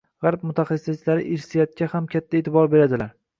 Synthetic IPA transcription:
ʁaɾp̚mʊt̪ʰaχɑsɪjat͡ʃʰlaɾɪʔɪɾsijɒt̪̚kʲʰahamkʲʰat̪ʰːaet̪ʰɪbɒɾbe̞ɾad̪ɪlaɾ

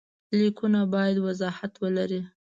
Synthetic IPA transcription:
likunabɑjad̪wazɑhat̪wəlaɾi

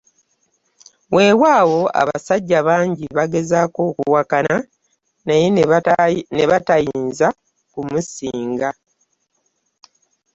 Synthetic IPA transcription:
wʔe̞ːwaːwo̞a̰βa̰saɟːaβaːɲɟiβaɡe̞zaːko̞ːkuwakana | naje | neβatajiːnza | kumusiːŋɡa

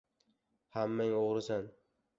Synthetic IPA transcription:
hamːaŋoʁɾɪsan

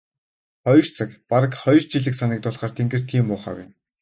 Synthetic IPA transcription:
χɔjr̥t͡sʰăkpaɾə̆kχɔj̆rt͡ɕiɮɘ̆ksanə̆k̚t̪ʊɮχaːr̥t̪ʰeŋɡɘ̆r̥t̪ʰiːmpʊːχa̰ːwḭn

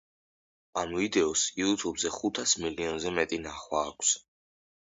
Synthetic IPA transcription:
anuid̪ɛɔsiut̪ʰubzɛχut̪ʰasmiliɔnzɛmɛt̪ʼinaχwaːkʰs

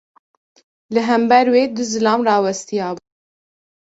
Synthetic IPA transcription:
lɨɦɛmbɛɾweːd̪ʊzɨlɑːmrɑːwɛst̪ijɑːbuː

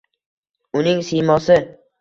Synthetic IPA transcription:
ʊnɪŋsijmɒsɪ

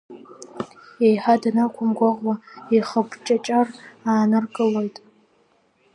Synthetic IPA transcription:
ejħadanakʷʰʊmɡʷaʁwaeχəpʰt͡ʃʼat͡ʃʼaraːnɨrɡʼɨlojtʼ

